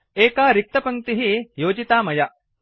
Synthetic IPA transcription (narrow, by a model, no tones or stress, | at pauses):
eːkaːɾik̚t̪ɐpɐŋt̪iɦijoːd͡ʒit̪aːmɐja